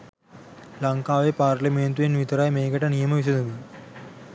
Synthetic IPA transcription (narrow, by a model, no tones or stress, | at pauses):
lɐŋkaːʋeːpaːɾlɐmeːnt̪uʋenʋit̪ɐɾaːjmeːɡɐʈɐnijɐmɐʋis̬ɐnɐʋi